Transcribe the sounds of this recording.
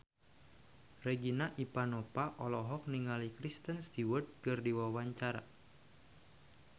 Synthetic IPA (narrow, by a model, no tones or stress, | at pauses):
reɡinaʔipanopaʔɔlɔɦɔk̚niŋalikɾist̪ənst̪iwərt̪̚kɨrdiwawaɲt͡ʃaɾa̰